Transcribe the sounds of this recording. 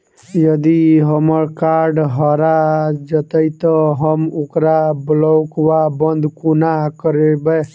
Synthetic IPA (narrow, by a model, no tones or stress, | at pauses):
jʌd̪iɦəməɾkaɾɖɦʌɾad͡ʒət̪əjt̪ʌɦəmukɾablɔkwabənd̪ʱkunakəɾebə